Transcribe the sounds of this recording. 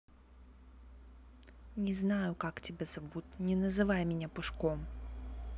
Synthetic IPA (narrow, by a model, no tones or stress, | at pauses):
nʲɛznajʊkaktʲɛbʲɛzavut̪ʲnʲɛnɐzɨvajmʲɛnʲapɨʂkɔm